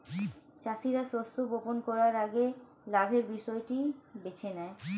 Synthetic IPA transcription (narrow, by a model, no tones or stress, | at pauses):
t͡ɕaʃiɾaʃosoboponkɔɾaɾaɡe | laɡʱeɾbiʃɔeʈibet͡ɕʰenɛe